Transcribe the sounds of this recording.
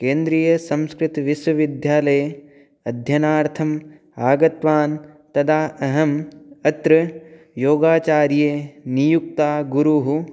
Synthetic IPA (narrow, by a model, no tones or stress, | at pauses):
keːnd̪ɾiːjɐsɐ̃mskɾɪt̪ʋiswɐʋid̪ʱjaːlɐj | ɐd̪ʱjɐnaːɾt̪ʰɐm | aːɡɐt̪ʋaːn | t̪ɐd̪ʰaːɐɦɐmɐt̪ɾɨ | joːɡaːt͡ʃaːɾjeːnijuk̚t̪aːɡuɾuɦu